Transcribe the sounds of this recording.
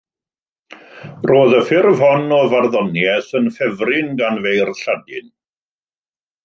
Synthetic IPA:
roːðəfɪrv̥hɔnɔvarðɔnjɛθənfɛvrɪnɡanvejrɬadɪn

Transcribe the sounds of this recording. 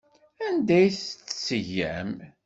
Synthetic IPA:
ænd̪æjθt͡sːsəʝːæ̰m

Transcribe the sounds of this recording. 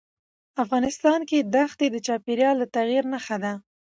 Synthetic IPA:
afɣɑnɪst̪ɑnked̪axt̪ed̪ət͡ʃɑpeɾjɑlːat̪aɣiɾnaxad̪a

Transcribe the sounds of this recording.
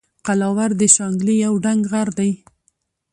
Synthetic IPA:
qalɑwaɾd̪əʃɑŋɡlijawɖaŋɡɣaɾd̪aj

